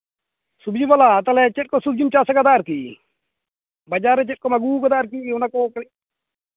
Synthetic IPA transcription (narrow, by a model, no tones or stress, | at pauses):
subd͡ʒibɔlat̪ɐlɛt͡ʃeʈ̚kosub̚d͡ʒimt͡ʃasaɡɐd̪aːɾkiː | bɐd͡ʒaːɾet͡ʃeʈ̚komɐɡuːɡɐd̪aːɾkiʊnakoki